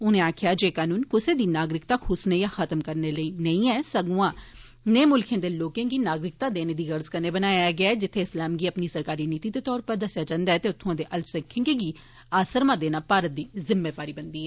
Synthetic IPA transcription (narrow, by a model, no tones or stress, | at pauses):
ʊnẽːaːkʰɪjaːd͡ʒeːkaːnuːnkʊseːd̪iːnaːɡɾɪkt̪aːkʰʊsneːjãːxʰət̪əmkəɾneːləiːnəĩːɛːsəɡuãː | nẽːmʊlkʰẽːd̪eːloːkẽːɡiːnaːɡɾɪk̚t̪aːd̪eːneːd̪iːɣəɾzkəneːbənaːjajaːɡɪaːɛːd͡ʒɪt̪ʰːeːɪslaːmɡiːəpniːsəɾkaːɾiːniːt̪iːd̪eːt̪ɔːɾpəɾd̪əsjaːt͡ʃãːnd̪aːɛːt̪eːʊt̪ʰːʊ̃ãːd̪eːʔəlpsə̃kʰːɪ̃ŋɡeːɡiː | aːsəɾmãːd̪eːnaːpaːɾət̪̚d̪iːzɪmːeːbaːɾiːbənd̪iːɛː